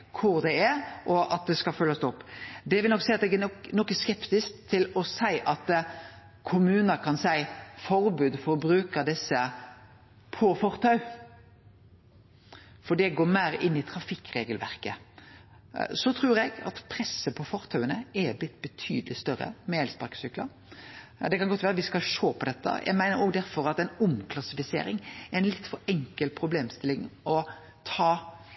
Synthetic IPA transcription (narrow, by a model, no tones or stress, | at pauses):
kʰʊɾd̪ɛɛɾʔɔʔɑt̪̚d̪ɛskɑlfœlːəst̪ɔpːd̪ɛʋɪlnɔkːsæɪɑt̪ɛɡɛnɔkːəskɛpt̪ɪskt̪ʰːɪlɔsæɪʔɑt̪ | kʰʊmʉːnəkʰɑnsæɪfɔɾbʉːd̪fɔɾbɾʉːkəd̪ɛsːə | pʰɔfɔɾt̪ʰɑʉ | fɔɖ̪ɛɡoːɾmæɪɾɪnːɪt̪ʰɾɑfɪkːɾeːɡəlʋæ̰ɾkə | sɔt̪ʰɾuːɾɛɡɑ̰t̪pʰɾɛsːəpʰɔfɔʁt̪ʰœʉənəɛblɪt̪ːbət̪ʰy̰ːd̪əlɪst̪œɾə̰mɛɛlspɑɾkə̥sʏklə̰ | d̪ɛkɑnɡɔt̪ʋæːɾəʋɪskɑlʂoːpʰɔd̪ɛt̪ːə̰jʔæ̰ɪɡmæɪnəɾoːɡd̪æɾfɔɾɑt̪ɛɪnʊmkʰlɑsɪfɪsḛːɾɪŋɛɛɪnlɪt̪ːfɔɾɛŋkəlpʰɾʊbleːmst̪ɪlːɪŋɔ | t̪ʰɑː